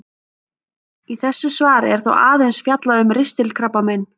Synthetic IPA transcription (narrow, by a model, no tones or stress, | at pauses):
iθɛsːʏsvaːɾɪ̰ɛɾ̥θo̰wʔaːðejnsfjat̪laðʏmrɪst̪ɪlkʰɾapːamɛjn